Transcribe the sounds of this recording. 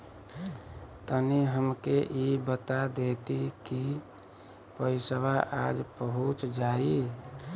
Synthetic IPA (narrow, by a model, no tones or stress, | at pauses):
t̪əniɦəmkeʔibət̪ad̪et̪iki | pəsəbaʔad͡ʒpəɦut͡ʃd͡ʒai